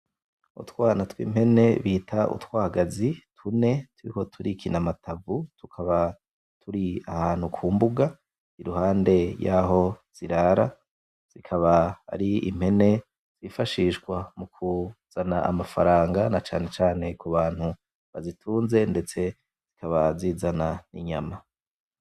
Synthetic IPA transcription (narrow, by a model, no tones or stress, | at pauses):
ṵtwaːnatwḭːmhe̞ne̞βiːtʰaṵtwaːɡazitʰune̞tuɾḭko̞tʰuɾikʰinamatʰavutukʰaβa | tʰuɾia̰haːn̥hukʰuːmbuɡa | iɾuhaːnde̞jaːɦo̞z̥iɾaɾa | z̥ikʰaβaa̰ɾiḭm̥he̞ne̞ | z̥ifaʃiʃɡwamukʰuz̥anaa̰mafaɾaːŋɡanat͡ʃa̰ːne̞t͡ʃaːne̞kuβaːn̥hu | βazitʰuːnze̞nde̞t͡se̞ | z̥ikʰaβaziːzananḭɲama